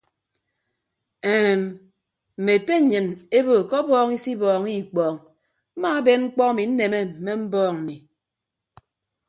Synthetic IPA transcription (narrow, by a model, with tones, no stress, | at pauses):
ɛ˨m˨ | m̩˨me˨te˦˨˦ɲɨ˨ne˦bo˨kɔ˦bɔː˦ŋi˦si˦bɔː˨ŋi˦˨k͡pɔː˨ŋ | m̩˦ma˦a˦be˦nŋ͡m̩˦k͡pɔ˦a˦˨mi˨n̩˦ne˨me˦m̩˨me˦m̩˦bɔː˦ŋ̩˨mi˨